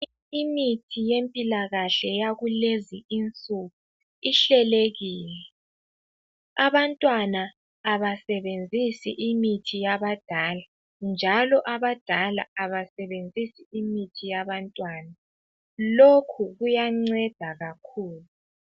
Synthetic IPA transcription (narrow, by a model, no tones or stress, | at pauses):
imitʰijempʼilaɣaɬɛjaɣuleziint͡sʼuɣu | iɬɛleɣiːlɛ | aβantʼwanaː | βasɛβend͡zʱisiʔimitʰijaβad̥ʱaːla | nd͡ʒʱalɔʔaβad̥ʱala̰aβasɛβend͡zʱisiimitʰijaβantʼwaːna | lokʰuɣujaŋ͡ǀɛd̥ʱaɣakʰuːlu